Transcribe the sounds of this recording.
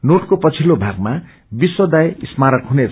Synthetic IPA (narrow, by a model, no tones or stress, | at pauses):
noʈkopʌt͡sʰilobʱaɡ̚ma | biswʌd̪ajismaɾʌkɦune